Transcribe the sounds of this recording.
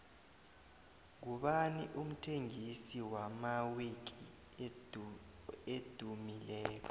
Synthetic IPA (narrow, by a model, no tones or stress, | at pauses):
k̬uɓaniʔum̩tʰeŋisiwamawek̬ʼi | ed̥ʱumilɛːk̬ʰɔ